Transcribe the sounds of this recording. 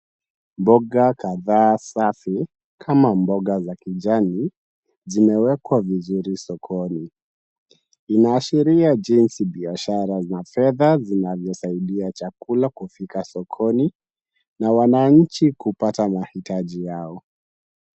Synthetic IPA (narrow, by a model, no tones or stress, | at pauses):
mbɔɡakaðaːsafi | kʰamambɔɠazakiʄani | zimɛwɛkwavizuɾisɔkʰɔni | inaːʃiɾiad͡ʒinsiɓiaʃaɾanafɛðazinavjɔsaiɗiat͡ʃakulakufikasɔkʰɔni | nawanaɲ̩t͡ʃikupatamahitaʄijaɔ